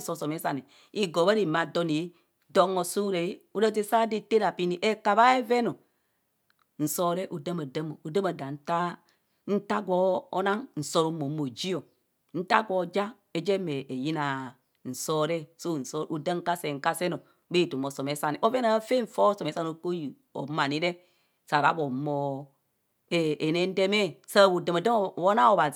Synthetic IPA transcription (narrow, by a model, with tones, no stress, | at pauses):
so˨sɔ˨me˦sa˨ni˨ | i˨ɡo˨ba˦ɾi˨ma˨do˦ni˨˦ | do˦ŋo˨su˦ɾe˨i˦u˦ɾa˦t̬i˦sa˦di˦te˦ɾa˨pi˦ni˨ʔe˦ka˨βa˦e˦vɛ˦no˨ | n̩˨sɔ˨ɾɛ˦ʔu˨də˦ma˨də˦mo˨u˨da˦ma˨da˨n̩˦ta˦ | n̩˦ta˦ɡʷɔ˨˦o˦na˦ŋn̩˨so˨ɾu˨˦mo˨˦mo˨d͡ʒi˦o˨ | n̩˦ta̰˦ɡɔ˨d͡ʒa˦ | e˦d͡ʒe˦me˨ʔe˨ji˦na˨ | n̩˨sɔ˦ɾɛ˦so˦˨n̩˨so˦ɾʔu˨də˦ŋ̩˦ka˦se˨ŋ̩˨ka˦se˦no˨˦ | be˦i˨tu˨mo˨so˨me˨˦sa˦ni˨ʔo˦ve˦na˨˦fe˦ɱ̩˨fɔ˦so˨e˨˦sa˦no˨˦ko˦ji˨ | o̰˨˦ma˨ni˦ɾe˦ | sa˨ɾa̰˦bo˨moː˨ | e˨e˨ne˦n̩˦de˦me˦sa˦˨wu˨də˨ma˨də˦˨wo˦na˦o˨ba˨